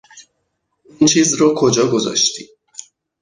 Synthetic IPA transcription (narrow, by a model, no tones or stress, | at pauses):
int͡ʃʰiːzɾɔkʰod͡ʒɒːɡozɒ̰ʃt̪iː